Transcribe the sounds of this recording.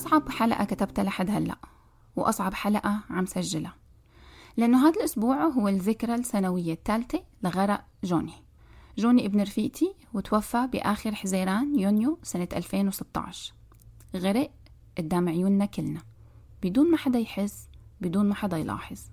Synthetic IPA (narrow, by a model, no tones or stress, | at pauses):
ʔɑsˤʕɑbħalaʔa̰kat̪abt̪alʔaħad̪halːa̰ʔ | wʔɑ̰sˤʕɑbħalaʔaʕamsaʒːɪla | lɪʔanːoɦaːd̪alʔʊsbuːʕɦʊwːɪlðɪkɾˤalsanawɪjːat̪ːaːlt̪elɪɣɑɾˤɑʔ | ʒoːni | ʒoːniʔɪbnɪɾfiːʔt̪ʰi | wɪt̪wafːabɪʔaːxɪɾħɪzeːɾaːnjunjosanat̪ʔalfeːnwɪsɪt̪ːɑ̰ʕʃ | ɣɪɾɪʔ | ʔɪd̪ːaːmɪʕjuːnːakɪlna | b̥ɪd̪uːnmaħad̪ajħɪsːbɪd̪uːnmaħad̪ajlɑ̰ːħɪzˤ